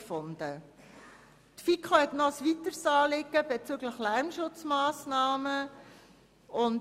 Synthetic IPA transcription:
fʊndə | tfikʰχohɛtnɔsvitəɾsɑːlɪɡəb̥et͡syɡləxlæɾmʃʊt͡smɑːsnɑːmə | ʊn

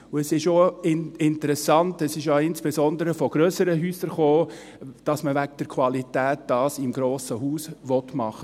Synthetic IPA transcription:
ʊɛsɪʃoɪɪntəɾɛsɑntɛsɪʃaɪnsb̥ezɔndəɾəfɔɡ̥ɾøːsəɾəɦyːsəɾχoː | d̥ɑsməvæɡ̚d̥ɛɾkʰwɑlitɛːt̚d̥ɑːsɪmɡɾoːsəhuːsʋɔtmɑχə

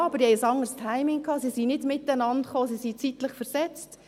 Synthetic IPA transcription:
ɑbəɾd̥ihɛjsɑŋərstʰaɪmɪŋkʰɑːsisinɪdmɪtːænɑntχoːsisit͡sitləχfɛɾsɛt͡st

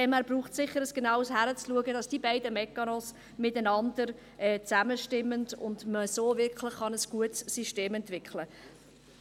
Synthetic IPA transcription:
ɛmæːɾb̥ɾuːχtsɪχːəɾəsɡ̥enaʊəshæɾət͡sluəɡədɑsd̥ibæɪdəmɛkːɑnɔs | mɪtænɑndəɾ | ʔɛt͡sæməʃtɪmːəndʊ̰ndməsoːvɪɾkχlɪχχɑnəsɡ̥uətsːiʃteːmɛntv̥ɪkχlə

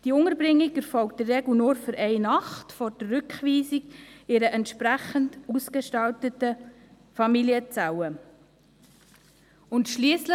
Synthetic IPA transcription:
d̥iʊŋəɾbɾɪŋːikɛɾfɔlk̚t̚d̥ərːɛɡlunoːɾfʏɾʔɛɪnɑχtfɔɾd̥əːʏkχʋiːsikɪɾəʔɛntʃpɾæχəntuskəʃtɑltətə | fɑmiliət͡sawə | ʊntʃliːəslə

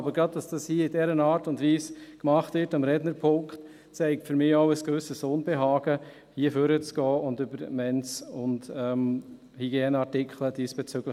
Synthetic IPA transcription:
bəɾɡɾɑd̚d̥ɑsd̥ɑshiəidɛɾənaːɾtʊndviːskmɑχtvɪɾtɑmɾɛdnəɾpʰʊŋkχt | t͡sɛɪk̚tfʏɾmɪːɔʊəskvʏsəsʊnbeɦɑːɡə | hiːəføɾət͡sɡ̥ɔːʔʊndybəɾmɛnt͡sʊndɛm | hiɡjeːnəɑɹtɪkχləd̥iːsb̥ɛt͡søɡ̥lə

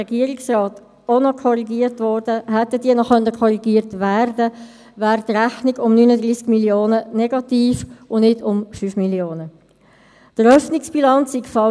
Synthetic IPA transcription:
ɛɡiəɾiksrɑːt | onokʰɔɾiɡiːətvɔɾd̥əɦɛt̪əd̥iːənɔχœnəkʰɔɾiɡiːəɾtværdə | væːɾdɾæχniɡʊmnyːnədʁiːsɡ̥miljoːnənɛɡɑt̪iːfʊnnɪdʊmfyfmiljoːnə | d̥əɾœfnɪksb̥ilɑnt͡sːikfɑ

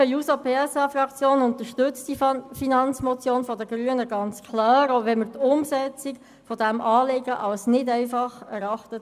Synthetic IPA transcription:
əjuːsapʰeːɛsɑfrɑkt͡sjoːnʊnt̪əʃtʏt͡std̥ifinɑnt͡smɔt͡sjoːnfɔdəɡɾyənəɡɑnt͡skʰlɑːɾoʋɛnmərt̪ʊmsɛt͡sɪk | fɔdæmʔɑːlɪɡəʔɑlsnɪdɛɪfɑχɛɾɑχtət

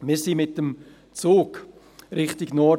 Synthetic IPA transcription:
mɪːɾsimɪt̚dəm | t͡suːk | ɾɪχtɪɡnɔ

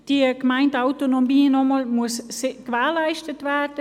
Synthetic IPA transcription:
d̥iːəɡmaɪntaʊtonomiːnɔmɔlmuəsskvɛːlaɪʃtətvɛdə

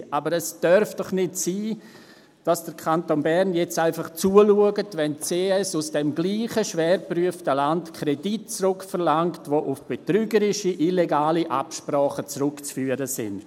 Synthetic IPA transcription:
ʔabəɾɛsd̥œɾfd̥ɔχnɪtsiː | d̥asd̥əɾkʰantonbɛɾnjɛt͡saɪfɑχt͡suːəluəɡətvɛnt͡seːɛsusd̥ɛmɡliːχəʃvɛːɾpryəftəlantkʰɾedit̚t͡sɾʊkfəɾlaŋktʋoʔʊfb̥etɾyːɡəɾɪʃiʔileɡaːliʔa̰pʃpɾaːχət͡sɾʊkt͡sfyːəɾəsɪ̰n

